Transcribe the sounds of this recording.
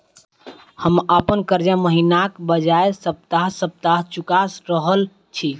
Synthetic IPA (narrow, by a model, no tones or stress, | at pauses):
həməpənkəɾd͡ʒaməɦinakbəd͡ʒaesəp̚t̪aɦsəp̚t̪aɦt͡ʃukasɾəɦəl | t͡ʃʰi